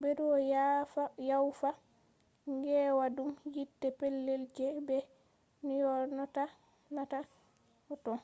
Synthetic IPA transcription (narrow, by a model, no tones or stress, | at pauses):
bɛdɔjafajawfa | ŋɡɛwadumjitːɛpɛlːeld͡ʒɛbɛ | nijɔɾnɔta | nata | ɔtɔn